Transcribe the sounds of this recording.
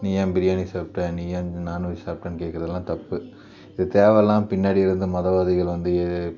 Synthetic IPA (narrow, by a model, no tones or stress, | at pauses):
nijãːmbɪɾɪjaːnisaːp̚ʈɐniːjanaːnuːɾisaːp̚ʈɐnkeːʈkːɪɾɐðɐlːãːt̪ɐpːɯ | ɪðɯt̪eːʋɛlːãːpɪnːaːɽiɪɾɯnd̪ɯmɐðɐʋaːðɐɣɐɭʋɐnd̪ɯɛ